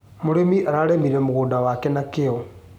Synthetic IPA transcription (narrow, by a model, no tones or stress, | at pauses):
moɾemiʔaɾaɾemiɾemoɣuːndawakenakeo